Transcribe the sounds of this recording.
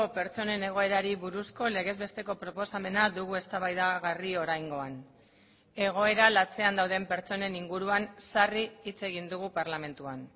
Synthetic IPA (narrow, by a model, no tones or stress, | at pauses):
ope̞ɾt͡so̞ne̞ne̞ɣ̞o̞e̞ɾaɾiβuɾusko̞le̞ɣe̞zβe̞st̪e̞ko̞pɾo̞po̞same̞nad̪uɣue̞st̪aβajðaɣario̞ɾajŋɡo̞an | e̞ɣ̞o̞e̞ɾalat͡se̞and̪awðe̞mpe̞ɾt͡so̞ne̞niŋɡuɾuansariːt͡se̞ɣind̪uɣupaɾlame̞nt̪uan